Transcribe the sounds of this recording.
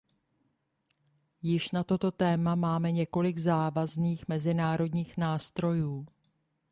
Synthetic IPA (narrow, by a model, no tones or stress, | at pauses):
jɪʃnat̪o̞t̪o̞t̪ɛːmamaːmɛɲɛko̞lɪɡzaːvazniːxmɛzɪnaːɾo̞dɲiːxnaːst̪ɾo̞juː